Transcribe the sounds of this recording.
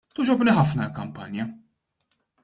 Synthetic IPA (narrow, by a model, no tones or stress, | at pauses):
t̪ʊd͡ʒɔbniħɐfnɐlkɐmpɐnjɐ